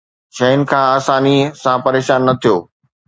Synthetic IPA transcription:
ʃɐɦʊnɪ̆kʰãːaːsaːnisãpɐɾeːʃaːnːɐt̪ʰijoː

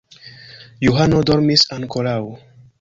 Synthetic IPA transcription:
juɦanod̪ɔɾmisãnkʰɔlaw

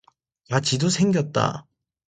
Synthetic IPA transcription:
jat͡ɕidosʰe̞ŋɡʲjʌt̚t͈a̰

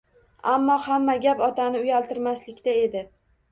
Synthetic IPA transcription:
amːɒhamːaɡʲapɒt̪ʰanɪʊjalt̪ɪɾmaslɪkʲt̪ae̞d̪ɪ

